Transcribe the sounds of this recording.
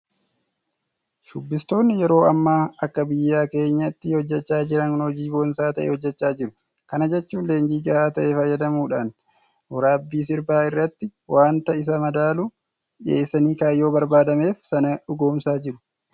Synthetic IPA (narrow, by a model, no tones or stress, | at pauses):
ʃʊbːɪst̪o̞ːnːɪjɛɾo̞ːɐmːaːɐkːɐbɪjːaːke̞ːɲːɐɪt̪ːɪhɔd͡ʒːɛt͡ʃːaːd͡ʒɪɾɐnhɔd͡ʒiːbonsaːt̪ɐʔḛːhɔd͡ʒːɛt͡ʃːaːd͡ʒɪɾʊ̥ | kɐnɐd͡ʒɛt͡ʃːuːnle̞ːŋd͡ʒiːɡɐʔaːt̪ɐʔefɐjːɐd̪ɐmuːᶑaːn | hɔɾaːbːiːsɪɾbaːɪrːɐt̪ːɪwʔaːnt̪ɐɪs̬ɐmɐd̪aːlu | ᶑɪḛːsːɐniːkaːjo̞ːbɐɾbaːd̪ɐme̞ːfsɐnɐᶑʊɡo̞ːmsaːd͡ʒɪɾʊ̥